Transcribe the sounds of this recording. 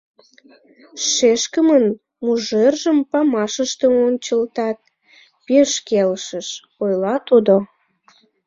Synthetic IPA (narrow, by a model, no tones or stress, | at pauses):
ʃeʃkəmən | muʒerʒəmpɑmɑʃəʃt̪əonʲt͡ɕəlt̪ɑt̪̚ | peʃkelʃəʃ | ojlɑt̪ud̪o